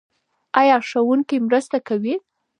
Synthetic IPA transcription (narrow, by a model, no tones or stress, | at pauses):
ɑjɑʂawuŋkimɾəst̪akawi